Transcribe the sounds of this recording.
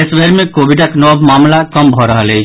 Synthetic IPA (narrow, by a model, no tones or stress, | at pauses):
esʋeɾmẽkoːʋiɖəknɔbʱmaːmlakəmbʱɔɾəɦəle